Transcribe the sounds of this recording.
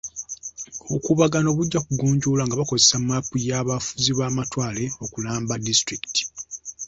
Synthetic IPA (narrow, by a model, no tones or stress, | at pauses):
okuβaɡano̞βuɟːakuɡuːɲɟuːlaŋɡaβako̞zesamːapːujaːβafuziβaːmatwaːle̞o̞kulaːmbadistɾiki̥ti̥